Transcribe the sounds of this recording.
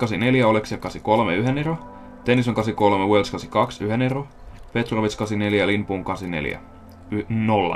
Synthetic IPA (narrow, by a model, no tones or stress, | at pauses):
kɑsine̞ljæo̞leksjɑkɑsiko̞lmeyɦenero | t̪enis̬oŋkɑsiko̞lmewelskɑsikɑksyɦene̞ro | pe̞t̪roʋit̪skɑsine̞ljælinpuːŋkɑsine̞̰ljæ̰ | nolːɑ̰